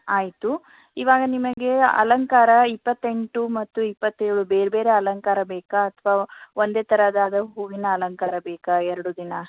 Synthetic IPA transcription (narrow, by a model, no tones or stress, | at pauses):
aːjit̪u | iʋaːɡɐnimɐɡe̞ɐ̰lɐŋkaːɾɐipːɐt̪ːe̞ɳʈumɐt̪ːuipːɐt̪ːeːɾɽubeːɾbeːɾeɐlɐŋkaːɾɐbɛːkɐːt̪ʰʋaːond̪eːt̪ɐɾɐd̪aːd̪ɐɦuːɡinɐːlɐŋkaːɾɐbɛːkɐɛɾɐɽud̪inɐ